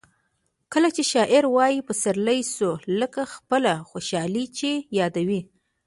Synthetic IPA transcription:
kəlat͡ʃeʃɑʔɪɾwɑjipəsaɾlajsuləkaxpəlaxoʃɑlit͡ʃejɑd̪awi

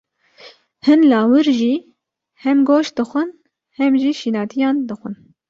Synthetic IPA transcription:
hɨnlɑːwɨɾʒiː | hɛmɡoːʃd̪ɨxʷɨn | hɛmʒiːʃiːnɑːt̪ʰijɑːnd̪ɨxʷɨn

